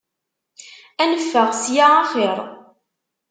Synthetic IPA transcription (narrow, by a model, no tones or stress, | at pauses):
ænəfːəʁsjaaχeɾˤ